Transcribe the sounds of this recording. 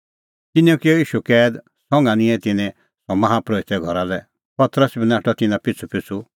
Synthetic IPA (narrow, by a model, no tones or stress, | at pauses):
t̪ɪniõkiɔiːʃukɛːd̪ | sɔ̃ŋɡanĩɛ̃t̪ɪnɛ̃ | sɔmɐɦapɾoːit̪ɛɡʱɔɾalɛ | pɐt̪ɾəsbʱinaːʈɔt̪ɪnãpɪt͡sʰupɪt͡sʰu